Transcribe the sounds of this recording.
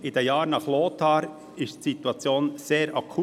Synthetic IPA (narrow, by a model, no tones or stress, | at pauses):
ɪd̥ɛjɑːɾnɑχloːt̪ʰɑːɾ | ɪʃtsit̪uɑt͡sjoːnseːɾʔɑkʰu